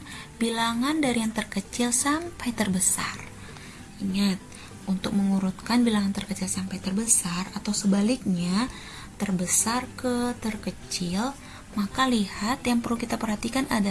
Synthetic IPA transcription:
bilaŋandaɾijaŋt̪ərkət͡ʃɪlsampajt̪ərbəsar | iŋat̪̚ | ʔunt̪ʊk̚məŋuɾut̪̚kanbilaŋant̪ərkət͡ʃɪlsampajt̪ərbəsarat̪awsəbalik̚ɲa | t̪ərbəsarkət̪ərkət͡ʃɪl | makalihat̪jaŋpərlukit̪apərhat̪ikanʔada

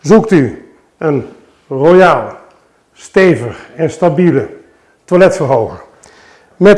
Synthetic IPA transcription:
zukty | ən | rojaːlˠ | steːvəxɛnstabilə | twalɛtfərɦoːɣər | mɛt

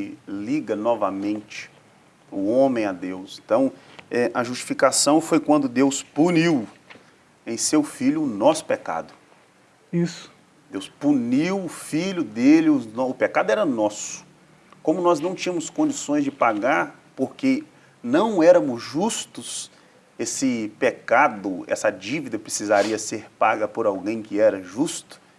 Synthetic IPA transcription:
ɪliɡɐnɔvɐ̰mẽnt͡ʃɪ̥ | ʊõmẽj̃ad̪ewsẽnt̪ɐ̃w̃ɛʔɐʒust͡ʃi̥fikasɐ̃w̃fojkwɐ̃nd̪ʊd̪ewspuniw | ẽj̃sewfiʎjʊːnɔsʊ̥peka̰d̪ʊ | isʊ̥ | d̪ewspuniwʊfiʎʊd̪elɪʊznɔʊpekad̪ʊɛɾɐnɔsʊ̥ | kõmʊnɔznɐ̃w̃t͡ʃĩɲ̃ɐ̃mʊskõd͡ʒisõj̃zd͡ʒɪpaɡaɾ | poɾke | nɐ̃w̃ɛɾɐ̃mʊzʒust̪ʊs | esɪpekad̪ʊɛ̰sɐd͡ʒivid̪ɐpɾesizaɾiɐseɾpaɡɐpʊɾawɡẽj̃kɪɛɾɐʒust̪ʊ̥

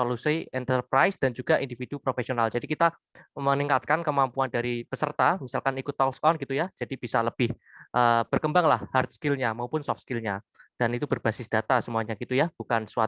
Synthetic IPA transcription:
solusiʔɛnt̪ərpɾajsd̥and͡ʒuɡaʔindifid̥upɾofesionald͡ʒadikit̪a | məniŋkat̪̚kankəmampuandaɾipəsərt̪amisalkanikʊt̪ːɔkskɔnɡit̪ujad͡ʒ̥adib̥isaləb̥ɪh | ʔəːb̥ərkəmbaŋlahhart̪̚skɪlɲamaupʊnsɔfskɪlɲa | d̥anit̪ubərb̥asɪsd̥at̪asəmuaɲaɡit̪ujab̥ukansuwa

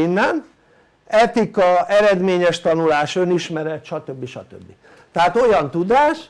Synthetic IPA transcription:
inːɛn | ɛt̪ikɒɛɾɛd̪meːɲɛʃt̪ɒnulaːʃøniʃmɛɾɛt̪ʃɒt̪øbːiʃɒ̰t̪ø̰bːi | t̪ɛɦaːt̪o̞jɒnt̪ud̪aːʃ

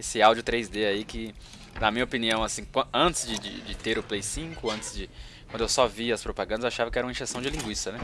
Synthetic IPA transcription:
esɪawd͡ʒjʊt̪ɾejzd̪eaikɪ | nɐmĩɲɐopiniɐ̃w̃asĩɐ̃ɐ̃nt̪ɪ̥zd͡ʒɪd͡ʒɪ̰d͡ʒɪt̪eɾʊplejsĩkʊɐ̃nt̪ɪ̥zd͡ʒɪ | kwɐ̃d̪ʊewsɔviɐspɾopaɡɐ̃d̪ɐzewaʃavɐkɪɛɾũɐĩʒesɐ̃w̃d͡ʒɪlĩŋɡwist̪ɐnɛ

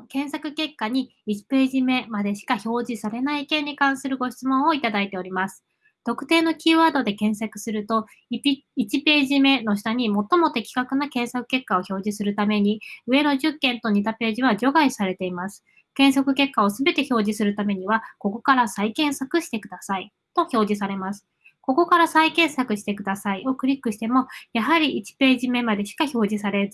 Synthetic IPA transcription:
kẽ̞ɰ̃sakɯ̟ke̞kːaɲ̟iit͡ɕi̥pe̞ːʑime̞mad̪e̞ɕi̥kaço̞ːʑisaɾe̞naikẽ̞ɲ̟ːikãɰ̃sɨɾɯ̟ɡo̞ɕi̥t͡sɨmõ̞ɰ̃oit̪ad̪ait̪e̞oɾʲimasɨ̥ | t̪o̞kɯ̟̥t̪e̞ːno̞kʲiːβaːd̪o̞d̪e̞kẽ̞ɰ̃sakɯ̟̥sɨɾɯ̟t̪o̞ | it͡ɕipe̞ːʑime̞no̞ɕi̥t̪aɲ̟imo̞t̪ːo̞mo̞t̪e̞kʲi̥kakɯ̟nakẽ̞ɰ̃sakɯ̟̥ke̞kːao̞ço̞ːʑisɨɾɯ̟t̪ame̞ɲ̟iɯ̟e̞no̞ʑɨkːẽ̞nt̪o̞ɲ̟it̪ape̞ːʑiβaʑo̞ɡaisaɾe̞t̪e̞imasɨ̥ | kẽ̞ɰ̃sokɯ̟ke̞kːao̞sɨbe̞t̪e̞ço̞ːʑisɨɾɯ̟t̪ame̞ɲ̟iβako̞ko̞kaɾasaikẽ̞ɰ̃sakɯ̟ɕi̥t̪e̞kɯd̪asai | t̪o̞ço̞ːʑis̬aɾe̞masɨ̥ | ko̞ko̞kaɾasaikẽ̞ɰ̃sakɯ̟ɕi̥t̪e̞kɯ̟d̪asaio̞kɯ̟ɾʲikːɯ̟ɕi̥t̪e̞mo̞jaɦaɾʲiʔːt͡ɕi̥pe̞ːʑime̞mad̪e̞ɕi̥kaço̞ːʑisaɾe̞ɾɨ

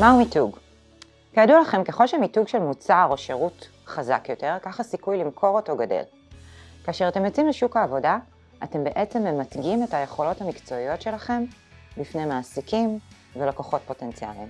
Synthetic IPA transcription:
maumituɡ | kaadulaχe̞mke̞χo̞lʃemituɡʃe̞lmut͡saʁo̞ʃe̞ʁut | χaza̰kjo̞te̞ʁkaχasikujlimkʰo̞ʁoto̞ɡadḛl | kaːʃeʁate̞mjot͡simleʃukaːvo̞da | ate̞mbe̞ʔet͡se̞mːe̞matɡimetaje̞χo̞lo̞thamikt͡so̞ijo̞tʃe̞laχe̞m | bifnejmaːsikim | velako̞χo̞t̚po̞te̞nt͡sia̰lim

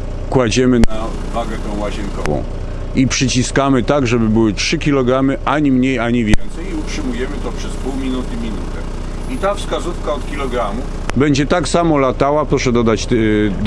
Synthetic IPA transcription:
kwad͡ʑɛmɘna | vaɡɛt̪ɛ̃w̃waʑɛnkɔ̰vɔ̰̃w̃ | ipʂɘt͡ɕiskamɘt̪aɡʐɛbɘbɘwɘtʂɘkʲilɔɡɾamɘʔaɲimɲejaɲivʲjɛnt̪sɛjiutʂɘmujɛmɘt̪ɔpʂɛspuwmʲinut̪ɘmʲinut̪ɛ | it̪afskazufkaɔt̪kʲilɔɡɾamu | bɛɲd͡ʑɛt̪aksamɔlat̪awapɾɔʂɛd̪ɔd̪at͡ɕ̪

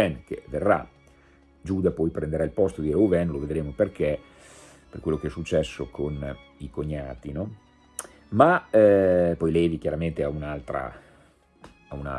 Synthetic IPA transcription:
ɛnkḛverːa̰ | d͡ʒuːd̪apɔjpɾend̪eɾailpɔst̪od̪iːɾeuvɛnloved̪ɾeːmoperke | perkwelːokeɛsːut͡ʃːɛsːokʰonikoɲːaːt̪inɔ | ma | pɔjlɛːvikjaɾament̪eaunalt̪ɾa̰ | auna̰

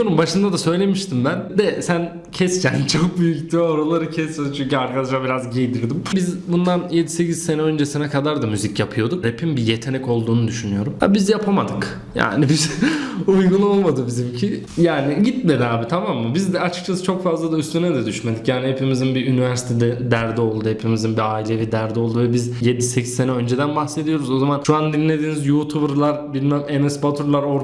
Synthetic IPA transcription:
oɾumbaʃɯnd̪ad̪asø̞jlʲe̞miʃt̪ʰimbænd̪ɛsæn | cʰɛscʰænt͡ʃʰok̚byjyct̪ʰioɾolˠaɾɯcʰɛsmed̪t͡ʃʰyɲcyaɾkʰad̪aʃabiɾazɟejd̪iɾd̪imbizbund̪anje̞d̪ise̞cʰiz̥se̞nɛø̞nd͡ʒesinɛkʰad̪aɾd̪amyzicjapʰɯjo̞d̪ukɾepʰimbijet̪ʰe̞nɛco̞lˠd̪uːnud̪yʃynyjo̞ɾuma̰bizjapʰamad̪ɯk | ja̰ːnibizujɡuno̞lˠmad̪ɯbizimcʰi | jaːniɟit̪̚me̞d̪iaːbit̪ʰamamːɯbizd̪ɛat͡ʃʰɯ̥k̚t͡ʃʰasɯt͡ʃʰokfazlˠad̪ayst̪ʰynɛd̪ɛd̪yʃme̞d̪icjaːnihepimizinbiynivæɾsi̥t̪ʰed̪ɛd̪æɾd̪ɛo̞lˠd̪uhepʰimizinbiaːilʲe̞vid̪æɾd̪ɛo̞lˠd̪uvɛbizje̞d̪isecʰi̥ːe̞nɛø̞nd͡ʒe̞d̪ænbaxse̞d̪ijo̞ɾuzo̞zamanʃuand̪inlʲe̞d̪iːnizjuːt̪ʰubɯɾlˠaɾbilʲmɛmenɛsbat̪ʰuɾlˠaɾo̞ɾ

